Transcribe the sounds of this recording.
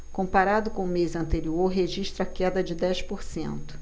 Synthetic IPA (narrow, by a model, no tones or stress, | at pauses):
kõpaɾad̪ʊkõʊmezɐ̃nt̪eɾioɾɦeʒiʃt̪ɾɐkɛd̪ɐd͡ʒɪd̪ɛspoɾsḛ̃nt̪ʊ̥